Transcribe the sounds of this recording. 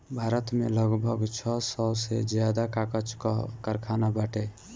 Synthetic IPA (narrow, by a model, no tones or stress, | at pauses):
bʱaɾət̪meləɡbʱəɡt͡ʃʰɔsɔsed͡ʒjad̪akakət͡ʃkkəɾkʰanabaʈe